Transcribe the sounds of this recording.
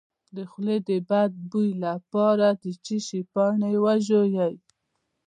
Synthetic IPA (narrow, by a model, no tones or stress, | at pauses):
d̪əxled̪əbad̪̚bujlapɑɾad̪ət͡ʃiʃipɑɳewaʒojaj